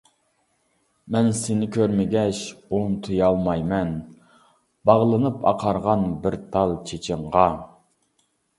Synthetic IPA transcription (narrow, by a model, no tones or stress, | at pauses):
mɛnsɪnɪkʲʰøɾmɪɡʲɛʃont̪ʰujɑlˠmɑjmɛn | b̥ɑʁlˠɨnɨpʰɑ̰qʰɑɾʁɑnbɪɾt̪ʰɑlˠt͡ʃʰet͡ʃʰɪɴʁɑ